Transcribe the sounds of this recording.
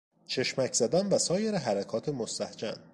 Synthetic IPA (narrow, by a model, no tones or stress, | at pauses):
t͡ʃʰe̞ʃmæcʰz̥æd̪ænvæsɒːjeɾeɦæɾækʰɒːt̪ʰemost̪æhd͡ʒæ̰n